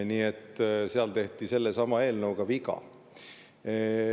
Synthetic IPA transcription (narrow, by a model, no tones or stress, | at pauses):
niːe̞t̪ːseɑlt̪e̞ht̪ise̞lːesɑmɑe̞ːlnɤwɡ̥ɑviɡɑ̰